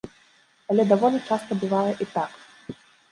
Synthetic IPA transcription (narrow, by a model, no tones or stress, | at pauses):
ɐlʲɛd̪avɔnɐt͡ʂast̪ɐbɨvajɛʔit̪ak